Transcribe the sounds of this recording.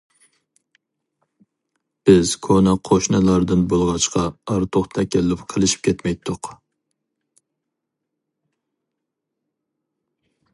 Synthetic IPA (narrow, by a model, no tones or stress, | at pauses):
b̥ɪzkʰonɑqʰoʃnɨlˠɑɾd̪ɨnbolˠʁɑt͡ʃqʰɑɑɾt̪ʰoχt̪ʰɛkʲɛlːɪpqʰəlˠɪʃi̥p̚kʲʰet̪mɛjt̪ʰːʊq